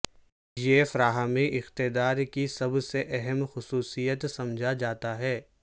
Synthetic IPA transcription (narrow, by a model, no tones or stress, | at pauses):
jefɾaːɦamẽʔɪxt̪ɪd̪aːɾkisɐbseʔɛɦɛmxʊsuːsijət̪sɐ̃md͡ʒʱad͡ʒaːt̪aɦɛː